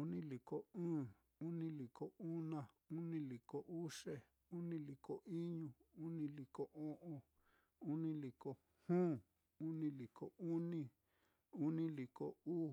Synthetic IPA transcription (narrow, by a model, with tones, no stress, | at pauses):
u˧nĩ˦li˨ko˧ɨ̃ː˦˨ | u˦nĩ˦li˨kʰo˨u˦nã˧u˦nĩ˦li˨ko˧ʔu˦ʂe˦ | u˦nĩ˧li˨ko˨ʔi˦ɲũ˧ | u˦nĩ˧li˨ko˧ʔõ˦ʔõ˧ | u˦nĩ˦li˨ko˨ | hũː˦ | u˦nĩ˧li˨kʰo˨u˦nĩ˧ | u˦nĩ˧li˨ko˧˨uː˦